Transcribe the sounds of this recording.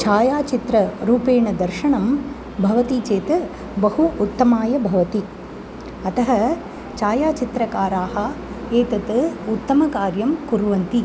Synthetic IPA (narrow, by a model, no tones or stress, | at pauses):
t͡ʃaːjaːt͡ʃit̪ɾɐɾuːpeːɳɐd̪ɐɾʃɐɳɐm | bʱɐʋɐt̪it͡ʃeːt̪ɨ | bɐhuːt̪ːɐmaːjɐbʱɐʋɐt̪i | ɐt̪ɐɦɐ | t͡ʃaːjaːt͡ʃit̪ɾɐkaːɾaːɦɐ | eːt̪ɐt̪ɨut̪ːɐmɐkaːɾjɐmkuɾʋɐnt̪i